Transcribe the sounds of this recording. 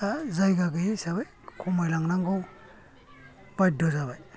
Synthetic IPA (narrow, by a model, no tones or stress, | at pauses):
azajɡaɡɯjisaβaj | kʰɔmajlaŋnaŋɡɔw | baj̚dɔzaβaj